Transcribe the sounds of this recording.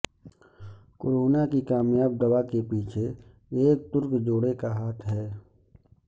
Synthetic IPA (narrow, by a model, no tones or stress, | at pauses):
koːɾoːnakikaːmjaːb̚d̪əwakepiːt͡ʃʰe | eːk̚t̪ʊɾkd͡ʒoːɽekaɦaːt̪ʰɦɛː